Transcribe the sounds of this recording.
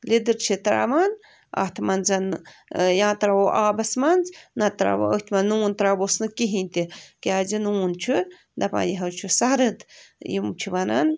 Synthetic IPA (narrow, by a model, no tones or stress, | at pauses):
lid̪ɨɾt͡ʃʰit̪ɾa̰man | a̰ht̪ʰmanzɐnjãːt̪ɾaboʔaːbɐsmanznat̪ɾa̰b̰əht̪ʰmanːuːnt̪ɾabosnɨkiɦinʲt̪ikead͡ʒinuːnt͡ʃʰu | d̪apã̰jiɦɐwt͡ʃʰusaɾɨd̪jimt͡ʃʰiʋanan